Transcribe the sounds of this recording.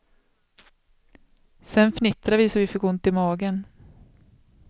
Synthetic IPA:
sɛnfnɪt̪ɾavɪsɔvɪfɪk̚ɡoɵnt̪ːɪmɑːɡən

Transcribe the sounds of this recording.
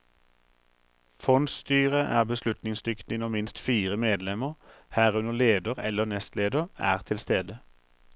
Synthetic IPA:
fɔnd̪st̪yːʁəʔæːʁbəslʉt̪nɪŋsd̪ʏkt̪ɪnɔmmɪnst̪fiːʁəmeːd̪lɛməʁhæːʁʉnəʁleːd̪əʁɛ̰lːənɛst̪leːd̪əʁæ̰ːʁt̪ʰɪlst̪eːd̪ə

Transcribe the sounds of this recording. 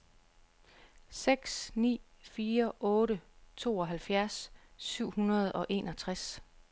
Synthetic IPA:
seɡ̥snḭː | fiːɐʔɔ̽ːɾət͡sʰo̝̰ːɒ̽ɦælfjæɐsːyʊ̰hunɐð̞̩ˠɒ̽ʔe̝ːnɒ̽t͡sʰʁas

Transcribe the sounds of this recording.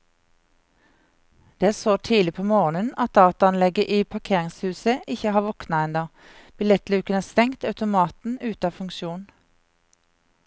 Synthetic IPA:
d̪̥eːsoːt̪ʰiːlɪpʰoːmoːʁnənɑt̪̚d̪ɑːt̪ɑɑnlɛɡəʔiːpʰɑʁkʰeːʁɪŋshʉːsəʔɪçəhɑːʋɔknɑɛnd̪ɑ | b̥ɪlɛt̪lʉːkənæːʁst̪ɛŋt̪ɑʉt̪ʊmɑːt̪n̩ʉːt̪ɑːfʉŋkʃuːn

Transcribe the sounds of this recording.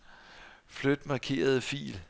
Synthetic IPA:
flød̥mɑ̈kʰe̝̰ːɐð̞ˠəfḭːl

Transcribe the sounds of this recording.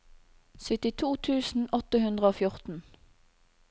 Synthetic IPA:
sʏt̪ɪt̪ʰuːt̪ʰʉːsn̩ɔt̪əhʉnd̪ʁəoːfjʊʁt̪n̩

